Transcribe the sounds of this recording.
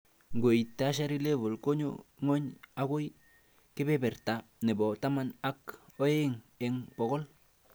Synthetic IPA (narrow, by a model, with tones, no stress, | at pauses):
ɡo˨jta˦ʃ̬a˦ɾi˦le˦bo˨lko˦ɲo̰˦ŋo˦ɲa˦ɡo˦j | ke˦be˦be˨ɾta˨ne˨bo˨ta˦ma˦na˦ko˦e˦ŋ | e˨ŋpo˨ko˦l